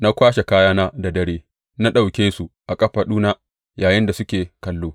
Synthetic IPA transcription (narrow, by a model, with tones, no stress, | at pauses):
na˦kʷaː˦ʃe˨kaː˦jaː˦na˦da˨dɐ˦ɾeː˦ | na˦ɗa˨wkʲeː˦su˨ʔa˨kʼɐ˦ɸa˨ɗuː˦na˦ | jaː˨jɪ˦nda˨sʊ˦kʲeː˨kɐ˨lːoː˦